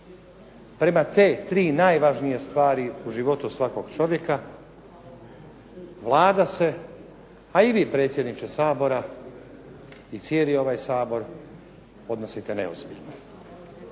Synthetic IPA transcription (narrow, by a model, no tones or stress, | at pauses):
pɾe̞mat̪e̞ːt̪ɾiːnaːjʋaʒnijest̪ʋaːɾiuʒiʋo̞t̪usʋakoɡ̥t͡ʃo̞ʋje̞ka | ʋlˠaːd̪ase̞ | aiʋiːpɾe̞ːt̪sʲje̞d̪nit͡ʃesaːbo̞ɾa | it̪sʲjeːlio̞ʋajsaːbo̞ɾ | o̞d̪no̞sit̪enḛozbiʎno